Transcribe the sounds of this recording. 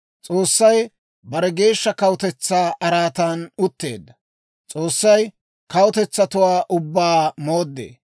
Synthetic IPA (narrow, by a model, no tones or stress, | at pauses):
t͡sʼo̞ːsːɐj | bɐɾɛɡe̞ːʃːɐkɐwʊt̪ɛt͡sːaːʔɐɾaːt̪anʊt̪ːeːd̪ːɐ | t͡sʼoːsːɐj | kɐwʊt̪ɛt͡sːɐt̪ʊwaːʔʊbːaːmoːd̪ːḛː